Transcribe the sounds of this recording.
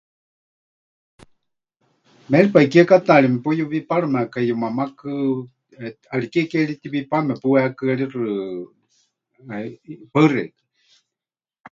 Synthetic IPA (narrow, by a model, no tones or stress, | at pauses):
mɛɺipaikiakat̪aːɺimɛpujuβipaɺɨmɛakaijumamakɨ | alikɛkɛɺit̪iβipamɛpuwɛhakɨaɺirɨ | paɨrɛ̰kɨ̥